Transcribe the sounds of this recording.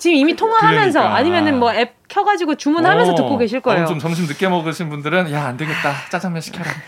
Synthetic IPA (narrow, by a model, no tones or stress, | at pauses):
t͡ɕimimitʰoŋaɦamjʌns̬ʰʌʔaɲimjʌnɯnmwʌep̚kʰjʌɡad͡ʑiɡot͡ɕumunɦamjʌnʰʌtɯk͈oɡeɕʰiɭk͈ʌejjoomt͡ɕʌmɕ̬ʰimnɯk͈emʌɡɯɕʰinbundɯɾɯnjaandeɡet̚t͈at͡ɕ͈ad͡ʑaŋmjʌɕʰi̥kʰaɾa